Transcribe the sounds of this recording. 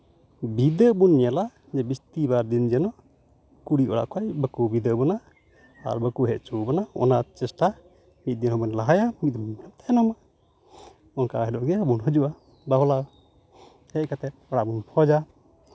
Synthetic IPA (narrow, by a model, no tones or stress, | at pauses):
bid̪əbunːijala | d͡ʒɛbist̪ibaɾd̪ind͡ʒɛnɔ | kuɽiʔɔ̰ɽa̰ʔkʰajbəkubid̪əʔbɔna | a̰ɾbəkuɦɛʔ̚t͡ʃubɔnaɔ̰nat͡ʃɛsʈa | mit̪̚d̪inhɔbɔnlaɦajamit̪̚d̪ɔmnamt̪aɛnɔma | ɔnkaɦɛdɔʔɡɛabunɦəd͡ʒuʔa | baɦɔla | hɛc̚kat̪ɛt̪̚ɔɽaʔbunpʰɔd͡ʒa